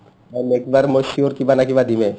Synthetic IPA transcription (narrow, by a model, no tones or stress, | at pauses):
amekibaɾmoʃioɾkibanakibad̪ʱime